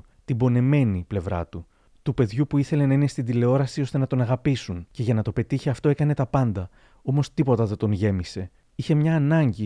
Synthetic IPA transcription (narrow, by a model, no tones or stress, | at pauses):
t̪ibo̞ne̞me̞niple̞vɾɐ̰t̪u | t̪upe̞ðʝupuiθe̞le̞nɐine̞st̪ind̪ile̞o̞ɾɐsio̞st̪e̞nɐt̪o̞nɐɣɐpisunce̞ʝɐnɐt̪o̞pe̞t̪içeɐft̪o̞e̞kɐne̞t̪ɐpɐnd̪ɐ | o̞mo̞st̪ipo̞t̪ɐðɐt̪o̞nʝe̞mise̞ | içe̞mɲɐːnɐɲɟi